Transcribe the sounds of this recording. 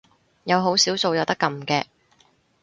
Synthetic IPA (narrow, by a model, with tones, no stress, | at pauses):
jɐ˨˧wɦo˨˥wsiː˨˥wso˨wjɐ˨˧wt̪ɐ˥kːɐ˨˧mkɛː˧